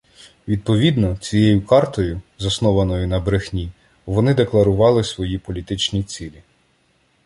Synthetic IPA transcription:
ʋʲid̪̚pɔʋʲid̪nɔt͡sʲijejʊkɑrt̪ɔjʊzɐsnɔʋɐnɔjʊnɐbɾexnʲi | ʋɔnɪd̪e̞klˠɐɾʊʋɑlˠɪsʋɔjipɔlʲit̪ɪt͡ʃnʲit͡sʲilʲi

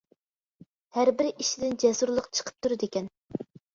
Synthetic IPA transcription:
hæɾbɪɾiʃid̪ɪnd͡ʒɛsuɾlˠəqt͡ʃʰə̥qʰə̥p̚t̪ʰuɾɨd̪ekʲɛn

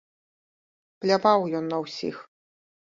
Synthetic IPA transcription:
plʲapawjɔnːɐwsʲḭx

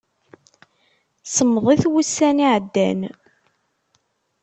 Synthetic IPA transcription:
səmːəðˤiθwusːæniʕəd̪ːæ̰n

